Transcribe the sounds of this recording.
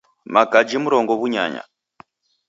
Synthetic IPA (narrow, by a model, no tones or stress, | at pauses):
maɡad͡ʒimuɾɔŋɡɔβuɲa̰ɲa̰